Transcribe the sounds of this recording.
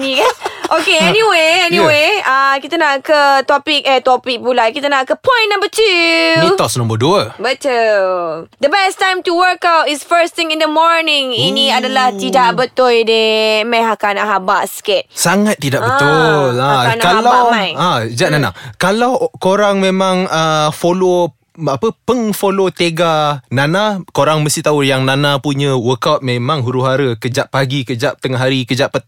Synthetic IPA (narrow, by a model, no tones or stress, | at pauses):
nĩkanʔokeɛniweɛniweakit̪anaʔkət̪ɔpik̚ət̪ɔpik̚pulãkit̪anaʔkəpɔ̃j̃nnãmbətʰuit̪ɔsnõmbəduəbət̪u | d̪əbɛstãjmtuwəɾkawtɪsfəst̪ɪ̃ŋɪ̃ndəmɔɹnɪ̃ŋinĩadalaht̪idaʔbət̪ʊldimãjɦakanaɦabaʔskɛt̪̚saŋat̪̚ːidaʔbət̪ʊlaankalaaajad͡ʒaʔnana̰kalawkoɾaŋmẽmãŋəfolo | apəpəŋfolot̪eɡanãnakoɾaŋməst̪iht̪aujaŋnãnapuɲə̃wəkawt̪̚memãŋɦuɾuɦaɾəkəd͡ʒaʔpaɡikəd͡ʒaʔp̚t̪əŋaɦaɾikəd͡ʒaʔpə